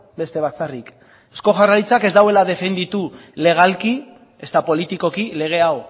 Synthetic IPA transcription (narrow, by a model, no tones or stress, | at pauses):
be̞st̪e̞βat͡sarik | e̞sko̞ʝarajt͡sake̞zd̪awe̞lað̞e̞fe̞nd̪it̪ule̞ɣ̞alki | e̞st̪apo̞lit̪iko̞kile̞ɣ̞e̞aw